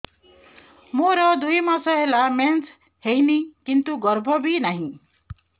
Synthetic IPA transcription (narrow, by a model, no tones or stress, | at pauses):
moɾʌd̪ʱujmasʌɦelament͡s | hejnikint̪uɡʌɾbʱʌbinaɦĩ